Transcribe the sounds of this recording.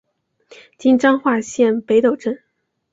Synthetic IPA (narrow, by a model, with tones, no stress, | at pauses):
t͡ɕi˥nʈ͡ʂɑ˥ŋxwa˥˧ɕjɛ˥˩npe˧˥ɪt̪o˨˩ʊʈ͡ʂə˥˩n